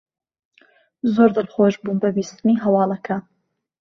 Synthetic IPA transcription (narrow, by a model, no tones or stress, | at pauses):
zoːɾd̪ɨlχoːʒbuːnbɐbiːst̪ɨniɦɐwɑːlˠɐkʰɐ